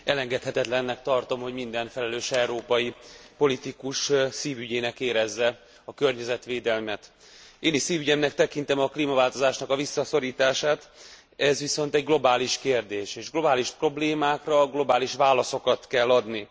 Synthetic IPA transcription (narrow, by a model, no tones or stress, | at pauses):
ɛlɛŋɡɛt̪hɛt̪ɛt̪lɛnːɛkt̪ɒrt̪o̞mho̞ɟmind̪ɛnfɛlɛløːʃɛuɾoːpɒjipo̞lit̪ikuʃsiːvyɟeːnɛkeːɾɛzːɛ | ɒkø̞rɲɛzɛt̪ʋeːd̪ɛlmɛt̪ | eːnisiːvyɟɛmnɛkt̪ɛkin̪t̪ɛmɒkliːmɒvaːlt̪o̞zaːʃnɒkɒvisːɒso̞ɾiːt̪aːʃaːt̪ | ɛzʋiso̞nt̪ɛɟɡlo̞baːliʃkeːrd̪eːʃeːʒɡlo̞baːliʃpro̞bleːmaːkrɒɡlo̞baːliʃʋaːlɒso̞kɒt̪kɛlːɒd̪ni